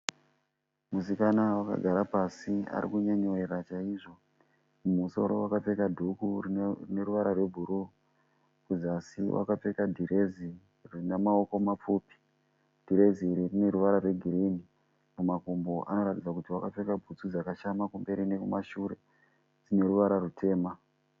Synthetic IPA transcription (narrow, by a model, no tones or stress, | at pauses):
musikanawaka̰ɡʱaɾapasia̰ɾḭkuɲaɲoeɾat͡ʃaiʐo̞ | mumuso̞̰ɾo̞̰wakap͡fe̞kadʱukuririne̞ɾuʋaɾarwe̞bʱuɾu | kuzasiwʔa̰kap͡fe̞kadʱiɾe̞zi | ririnamaoko̞map͡fuːpi̥ | d̥ʱiɾe̞ziːɾirine̞ɾuʋaɾarwe̞ɡʱiɾini | mumakumbo̞ʔa̰no̞ɾatid͡zakutiwakap͡fe̞kabʱut͡sud͡zakaʃamakumbe̞ɾinekumaʃuɾe̞̰ | d͡zine̞ɾuʋaɾarutʰe̞ːma